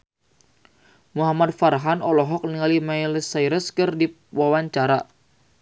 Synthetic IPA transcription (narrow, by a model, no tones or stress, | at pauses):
muɦamad̚farɦanɔlɔɦɔk̚niŋalimailəsaiɾəskɨrdi | wawaɲt͡ʃaɾa